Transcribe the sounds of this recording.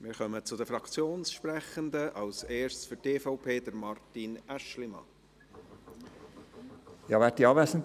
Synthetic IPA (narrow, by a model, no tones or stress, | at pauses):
mɪɾχœmət͡sʊd̪əfɾɑkt͡sjoːnsʃprɛχənd̪əʔɑlseːɹʃt͡sfʏteːfaʊpʰeːdəɾmɑrtinæʃlimɑ̰ | jɑːvæt̚diɑːvʋæːsn̩t